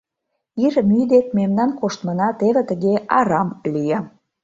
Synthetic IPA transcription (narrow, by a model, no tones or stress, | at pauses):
iɾəmyjd̪et̪̚memnɑnkoʃt̪mə̆nɑt̪eβĕt̪əɣeɑɾɑmlijə